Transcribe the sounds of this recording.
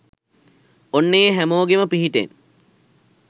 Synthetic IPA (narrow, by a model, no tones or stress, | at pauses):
onːəjəɦæmoːɡeməpiɦiʈḛn